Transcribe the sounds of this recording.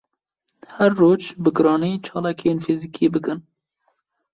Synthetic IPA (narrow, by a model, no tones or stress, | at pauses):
hɛɾːoːd͡ʒbɨɡɨɾɑːniːt͡ʃʰɑːlɑːkeːnfizikʰiːbɨkɨn